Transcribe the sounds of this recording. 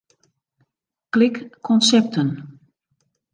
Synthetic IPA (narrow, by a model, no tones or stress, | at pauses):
klɪkkʰɔnsɛp̚tʰən